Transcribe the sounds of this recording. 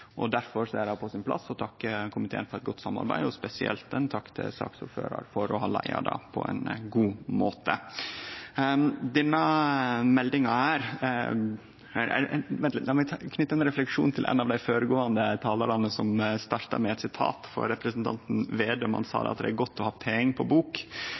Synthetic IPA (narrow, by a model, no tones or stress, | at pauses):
ʔɔd̪æɾfɔɾsɔædɑpʰɔsɪnpʰlɑ̰sːɔt̪ʰɑkːəkʰʊmɪt̪ʰḛːənfɔɾɛt̪̚ɡɔt̪ːsɑmːɑ̰ɾbæɪd̪ɔspɛsɪʔɛ̰lt̪ɛnt̪ʰɑkːt̪ʰɪ̰sɑ̰ːksʊ̰ɾfø̰ːɾɑ̰ɾfɔɾɔɦɑːlæɪɑ̰d̪ɑ̰pʰɔ̰ɛ̰nɡuːmoːt̪ə | d̪ɛnːɑmɛld̪ɪŋɑæːɾ | ʋɛnt̪lnɑmɪkʰnʏt̪ːəɾɛnɾɛflɛkʂuːnt̪ʰɪlʔɛ̰nːɑʋd̪æɪfoːɾəɡoːɑnd̪ət̪ʰɑːlɑɾɑnəsɔmst̪ɑɾt̪ɑɾmɛɛt̪sɪt̪ʰɑ̰ːt̪fɔ̰ɾɾɛpɾɛsnt̪ʰɑ̰nt̪n̩ʋeːd̪əɔmhɑ̰nsɑ̰ːd̪ɛ̰ɑt̪̚d̪ɛæɾɡɔt̪ːɔhɑːpʰɛɪŋpʰɔbuːk